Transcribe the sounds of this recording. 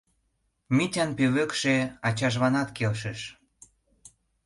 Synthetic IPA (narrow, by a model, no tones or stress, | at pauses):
mitʲɑnpeβøkʃeɑt͡ɕɑʒβɑnɑt̪kelʃə̆ʃ